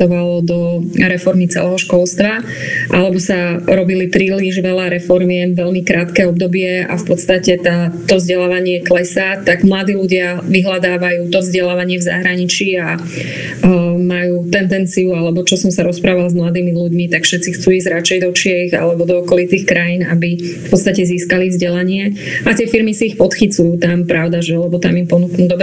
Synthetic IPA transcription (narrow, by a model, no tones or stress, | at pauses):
ɔʋalɔd̪ɔɾɛfɔɾmit͡sɛ̰lɛɦɔʃkɔlst̪ʋa | ʔalɛbɔsaɾɔbilipɾiːliʒʋɛlaɾɛfɔɾmiɛmʋɛʎmikɾaːt̪kɛːɔb̚d̪ɔbɪɛa̰fpɔt̪st̪acɛt̪at̪ɔvzɟɛlaːʋaɲɪɛklɛsat̪aɡmlad̪iːluɟɪaʋiɦlad̪aːʋajuːt̪ɔvzɟɛlaːʋaɲɪɛvza̰ɦɾaɲit͡ʃiːa | majuːt̪ɛnd̪ɛnt͡siualɛbɔt͡ʃɔsɔmsaɾɔspɾaːʋalzmlad̪iːmiluɟmit̪akfʃɛt̪t͡sixt͡suːiːzɟɾat͡ʃɛjd̪ɔt͡ʃijɛiɣa̰lɛbɔd̪ɔɔkɔlit̪iːxkɾajiːnabifpɔt̪st̪acɛziːskalivzɟɛlaɲɪɛ | at̪ɪɛfiɾmisiːxpɔt̪xit͡sujuːt̪ampɾaʊd̪aʒɛlɛbɔt̪amimpɔnuknuːd̪ɔb